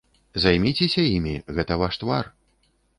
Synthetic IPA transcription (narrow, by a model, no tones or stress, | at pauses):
zajmʲit͡sʲesʲɐjimʲiɣɛt̪ɐvaʂt̪var